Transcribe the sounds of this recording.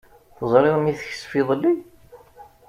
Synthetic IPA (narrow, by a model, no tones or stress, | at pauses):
θəzˤɾˤɪʁmiθəç̥sfiðˤəlːi